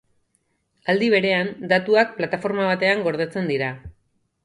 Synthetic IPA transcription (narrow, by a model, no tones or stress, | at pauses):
ald̪iβ̞e̞ɾe̞and̪at̪uak̚plat̪afo̞ɾmaβat̪e̞aŋɡo̞ɾð̞et͡se̞nd̪iɾa